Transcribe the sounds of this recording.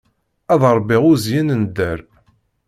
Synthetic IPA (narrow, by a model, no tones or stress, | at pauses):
æðˤəɾˤbiʁʊzjinənd̪æɾ